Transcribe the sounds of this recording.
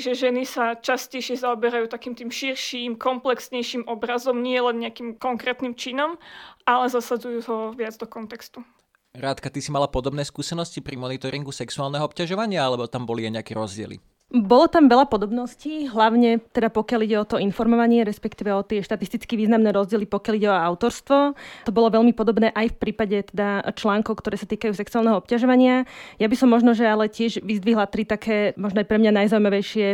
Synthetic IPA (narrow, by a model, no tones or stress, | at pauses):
ʒɛʒɛnisat͡ʃascɛjʃɪɛzaɔbɛɾajuːt̪akiːmt̪iːmʃiɾʃimkɔmplɛksɲɛjʃimʔɔbɾazɔmɲɪɛlɛnɲɛakiːmkɔŋkɾɛːt̪nimt͡ʃinɔmʔalɛzasad͡zujuːɦɔʋɪad͡zd̪ɔkɔnt̪ɛkst̪u | ɾaːt̪kat̪isimalapɔd̪ɔbnɛːskuːsɛnɔscipɾimɔnit̪ɔɾiŋɡusɛksuaːlnɛɦɔɔp̚caʒɔʋaɲɪaalɛbɔt̪ambɔliajɲɛakɛɾɔzɟɪɛ̰lḭ | bɔlɔt̪amʋɛʎapɔd̪ɔbnɔsciːɦlaʊɲɛt̪ɛd̪apɔkjaliɟɛɔt̪ɔinfɔɾmɔʋaɲɪɛɾɛspɛkt̪iːʋɛɔt̪ɪɛʃt̪at̪ist̪it͡skiʋiːznamnɛːɾɔzɟɪɛlipɔkɪjaliɟɛɔaʊt̪ɔɾst̪ʋɔt̪ɔbɔlɔʋɛʎmipɔd̪ɔbnɛːʔajfpɾiːpaɟɛt̪ɛd̪at͡ʃlaːŋkɔʊkt̪ɔɾɛːsat̪iːkajuːsɛksuaːlnɛɦɔɔpcaʒɔʋaɲɪajabisɔmːɔʒnɔʒɛalɛcɪɛʒʋizd̪ʋiɦlat̪ɾit̪akʰɛːmɔʒnɔajpɾɛmɲanajzaumaʋɛjʃɪɛ